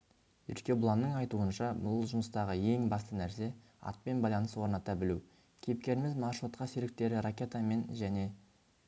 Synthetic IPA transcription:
jʏ̰ɾt̪kʲe̞bʊlˠɑnːəɴɑjt̪uənʃɑmʊləlˠʒʊməst̪ɑʁəje̞ŋbɑst̪ənæɾse̞ | ɑ̰t̪̚pe̞nbɑjlˠɑnəswo̞ɾnɑt̪ːɑbɪlu | kʲʰe̞p̚kʲe̞ɾɪmɪzmɑrʃut̪qɑseɾɪk̚t̪e̞ɾɪɾakʲe̞t̪ame̞nʒæne̞

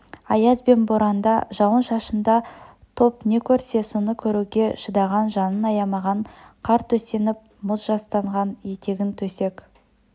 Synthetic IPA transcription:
ɑjɑzbe̞nboɾɑnd̪ɑʒɑwənʃɑʃənd̪ɑ | t̪ʰo̞pne̞kʲʰɵɾse̞sonəkʲʰɵɾuɡʲe̞ʃəd̪ɑʁɑnʒɑnənɑjɑmɑʁɑɴqʰɑɾt̪ʰɵse̞nɪp̚mʊzʒɑst̪ɑɴʁɑnjet̪e̞ɡʲɪnt̪ʰɵse̞k

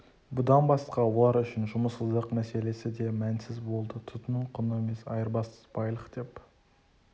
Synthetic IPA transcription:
bʊd̪ɑnbɑsqɑwo̞lˠɑɾʏʃɪnʒʊməsəzd̪əqmæse̞le̞sɪd̪e̞mænsɪzbo̞lˠd̪ət̪ʰʊt̪nəɴqʰʊneme̞sɑ̰jəɾbɑsə̥zbɑjlˠəqd̪̥e̞p

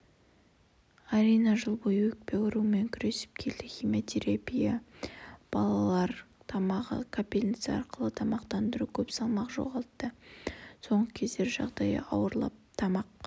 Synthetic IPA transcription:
aɾijnɑʒəlˠbo̞jəwɵk̚pe̞kʊɾume̞ŋkʲʰʏɾe̞sɪ̥p̚kʲʰe̞ld̪ɪχʲijmʲot̪ʲʰeɾapija | b̥ɑlˠɑlˠɑɾt̪ʰɑmɑʁə̰kʰapʲilʲit̪sɨɑ̰ɾqəlˠət̪ʰɑmɑqt̪ɑnd̪əɾukʲʰɵpsɑlˠmɑqʒo̞̰ʁɑlˠt̪ːəso̞ɴʁəkʲʰe̞zd̪e̞ɾʒɑ̰ʁd̪ɑjə̰ɑwəɾlˠɑ̰p̚t̪ʰɑmɑq̚

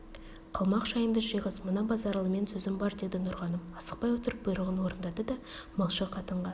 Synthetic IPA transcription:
qʰɑlˠmɑqʒɑjənd̪əʒəjʁəsmənɑbɑzɑɾlˠəme̞nsɵzɪmbɑɾd̪e̞d̪ɪnʊɾʁɑnəmɑsə̥q̚pɑjwot̪əɾəp̚b̥əjɾəʁənwo̞ɾənd̪ɑd̪əd̪ɑ | mɑlˠʃəqʰɑt̪əɴʁɑ

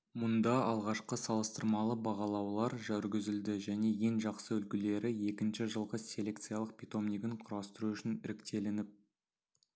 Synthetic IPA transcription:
mʊnd̪ɑɑlˠʁɑʃqəsɑlˠəst̪əɾmɑlˠəbɑʁɑlˠɑwlˠɑɾʒæɾɡʲɪzɪld̪ɪʒæne̞je̞ŋʒɑqsəɵlkʲɪle̞ɾɪje̞kʲɪnʃɪʒəlˠʁəsʲe̞lʲe̞k̚t̪sɨijalˠəq̚pʰʲit̪o̞mniɡʲɪɴqʰʊɾɑst̪əɾuʏʃɪnɪ̰ɾɪkt̪e̞lɪnɪp̚

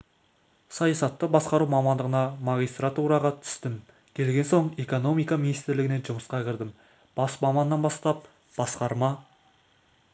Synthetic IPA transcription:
sɑjɑsɑt̪ːəbɑsqɑɾuwmɑmɑnd̪əʁənɑmɑɡʲijst̪ɾat̪uɾɑʁɑt̪ʰʏ̥st̪ɪm | kʲʰe̞lɡʲe̞nso̞ɴe̞ko̞no̞mijkɑmʲinijst̪ɪɾlɪɡʲɪne̞ʒʊməsqɑkʲʰɪɾd̪ɪm | b̥ɑsmɑmɑnːɑnbɑst̪ɑp̚ | b̥ɑsqɑɾmɑ

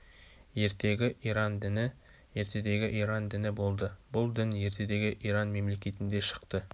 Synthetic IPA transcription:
je̞ɾt̪e̞ɡʲɪʔiɾɑnd̪ɪnɪ | je̞ɾt̪ʰe̞d̪e̞ɡʲɪʔijɾɑnd̪ɪnɪbo̞lˠd̪əbʊlˠd̪ɪnje̞ɾt̪e̞d̪e̞ɡʲɪʔiɾɑnme̞mle̞kʲe̞t̪ɪnd̪e̞ʃə̥qt̪ə

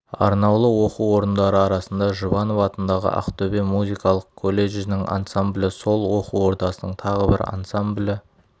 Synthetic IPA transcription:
ɑ̰ɾnɑwlˠəwo̞quwo̞ɾənd̪ɑɾəɑɾɑsənd̪ɑʒʊbɑnovɑt̪ənd̪ɑʁə̰ʔɑ̰qt̪ʰɵbe̞muzijkɑlˠəq̚kʰolʲːe̞ʒɪnɪŋʔa̰nsamblʲɪso̞lˠwo̞quwo̞ɾt̪ɑsənəɴt̪ʰɑʁəbɪ̰ɾa̰nsamblʲɪ

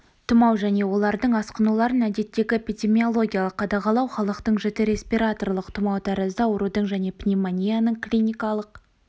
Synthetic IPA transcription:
t̪ʰʊmɑwʒæne̞wo̞lˠɑɾd̪əɴɑsqənulˠɑɾənæd̪e̞t̪ːe̞ɡʲɪpʲid̪ʲe̞mio̞lˠo̞ɡʲijalˠəqːʰɑd̪ɑʁɑlˠɑwχɑlˠəqt̪əɴʒɪt̪eɾe̞spiɾat̪o̞rlˠəqt̪ʰʊmɑwt̪ʰɑɾəzd̪əwəɾud̪əɴʒæne̞pnʲimanʲijanəɴklʲinʲijkɑlˠəq

